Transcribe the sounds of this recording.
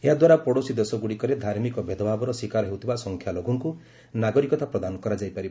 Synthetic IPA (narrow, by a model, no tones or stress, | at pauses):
eɦad̪waɾapɔɽosid̪esɔɡuɽikɔɾed̪ʱaɾmikɔbʱed̪ʱɔbʱabɔɾɔsikaɾɔɦewt̪ʰibasɔŋkʰjaloɡʱɔŋku | naɡɔɾikɔt̪ʰapɾɔd̪anɔkɔɾad͡ʒajpaɾib